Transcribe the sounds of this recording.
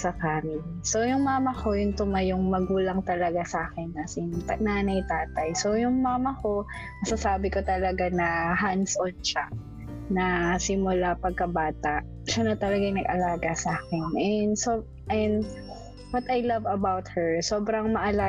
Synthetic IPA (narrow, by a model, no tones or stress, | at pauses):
sɐkaːmɪ | so̞jʊŋmaːmɐko̞jʊnt̪ʊmajʊŋmɐɡuːlɐŋt̪ɐlɐɡasaːkɛnːɐsɪnnaːnɐjt̪aːt̪ɐjso̞wjʊŋmaːmɐko̞ | mɐsasaːbɪkot̪ɐlɐɡanɐɦansʔont͡ʃaʔ | nɐsɪmʊlapɐɡ̚kɐbaːt̪aʔ | ʃɐnot̪ɐlɐɡajnɐɡʔɐlaːɡɐsaːkɛnʔɛnd̪so | ʔɛn | wɐt̪ɐjlɐvɐbawt̪hɛɹsoːbɾɐŋmɐʔɐlaː